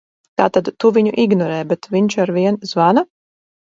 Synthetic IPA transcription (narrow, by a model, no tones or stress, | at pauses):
t̪aːt̪ad̪t̪uvʲiɲuʔiɡnɔɾɛːbɛt̪vʲiɲt͡ʃaɾviɛnzvana